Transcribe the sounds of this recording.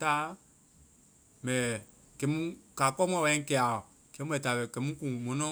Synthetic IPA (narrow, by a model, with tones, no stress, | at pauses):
ta˨˦ | mɛ̃˨ | kɛ˨˦mũ˦ka˨kɔ˦mɔ̃˨wɛ̃˧˦kɛ˨a˨ | kɛ̃˦ɛ˨ta˨bɛ˨kɛ˨˦mũ˦kũ˨mɔ̃˨˦nɔ̃˦